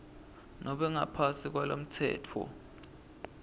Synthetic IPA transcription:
nʔɔɓɛŋa̰pʰasik̬walom̩tʰɛ̰ːtʰɔ̰

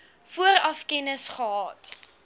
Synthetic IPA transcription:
fuəɾɐfkɛnəsχəɦɑːt

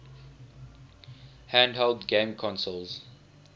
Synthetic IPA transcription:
hæ̃ndɦɛldɡẽmkʰɔ̃nsɔlz

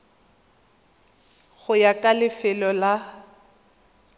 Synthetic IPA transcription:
ɣʊjakʼalɪfɛlɔla

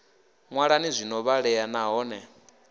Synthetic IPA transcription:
ŋwaɺanizʷinɔβaɺɛjanaɦɔːnɛ

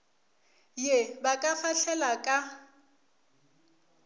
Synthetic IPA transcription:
jebakʼafaɬʰɛlakʼa

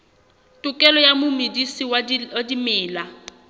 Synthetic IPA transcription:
tʼʊkʼɛlɔjamʊmedisiwdimɛːla

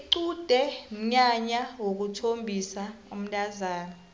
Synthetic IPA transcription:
ǀud̥ʱɛm̩ɲaɲawok̬utʰombʱisaum̩tʼazaːna

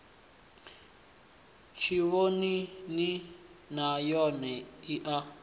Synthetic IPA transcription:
t͡ʃʰiβonini | najɔnɛiʔa

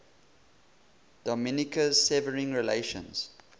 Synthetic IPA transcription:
d̥ɔmɪnɪkəz̥sɛvəɹĩŋɹileʃə̰̃nz̥

